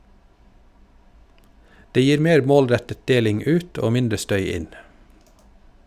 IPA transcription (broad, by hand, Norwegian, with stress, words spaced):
ˈdeː ˈjiːɾ ˈmeːɾ ˈmoːlˌɾɛtət ˈdeːlɪŋ ˈʉːt ˈoː ˈmɪndɾə ˈstœʏ ˈɪn